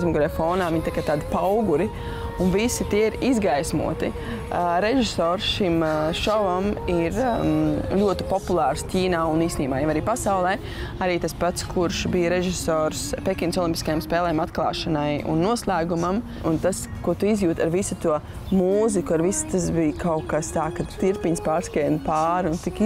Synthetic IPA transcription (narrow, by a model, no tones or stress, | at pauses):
zmɔɡɾɛfɔːnaːʋiɲt̪akat̪aːd̪pawɡuɾi | unvisit̪iɛiɾizɡajsmṵɔt̪i | ɾeʒisɔːɾsʃimʃɔvamiɾ | lʲuɔt̪i̥pɔpulˠɑːɾstʲiːnaːuniːst̪niːmaːjamaɾiːpasawlˠɛː | aɾiːt̪aspat̪skʰuɾʃbijɾeʒisɔːɾspekʲinsɔlˠimpi̥skajamspɛːlˠɛːmat̪klˠɑ̰ːʃɐnajṵnːuɔslˠæːɡumam | unt̪as | kuɔt̪uizjuːt̪aɾʋisut̪uɔ | muːzikuaɾvist̪asbijkawkast̪aːkad̪t̪iɾpiɲspaːɾskɛjnpaːɾunt̪ik